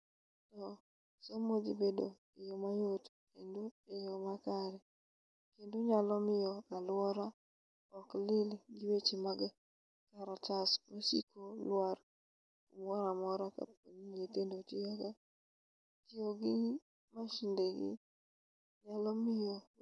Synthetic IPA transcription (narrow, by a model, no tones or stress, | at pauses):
tɔ | somod͡ʒibedo | ɪjomajot | endoejomakaɾɛ | kendoɲalɔmɪjɔalwɔɾa | ɔklɪlɡɪwet͡ʃemaɡ | kaɾatasmasḭkʰolwar | umwɔɾamɔɾaka̰poɲiɲetendotiaɡa | tɪoɡɪ | maʃɪndeɡɪ̰ | ɲalɔmɪjɔ